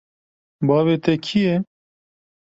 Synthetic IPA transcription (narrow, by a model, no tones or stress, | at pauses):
bɑːveːt̪ɛkʰijɛ